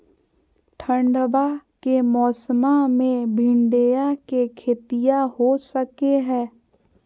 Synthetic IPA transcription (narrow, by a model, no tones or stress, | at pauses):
ʈʰə̃ɳɖəbakemɔːsmamẽbʱɪ̃ɳɖejakekʰeːt̪ijaɦosəkeɦɛ̃ː